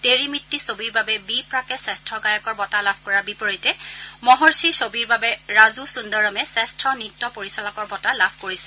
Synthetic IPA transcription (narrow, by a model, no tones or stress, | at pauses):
teɹimitːisobiɹbabɛbipɹakɛsɛstʰɔɡajɔkɔɹbɔtalabʱkɔɹaɹbipɔɹitɛmɔɦɔɹsisobiɹbabɛɹazusundɔɹɔmɛsɛstʰɔnitːɔpoɹisɔlɔkɔɹbɔtalabʱkoɹisɛ̥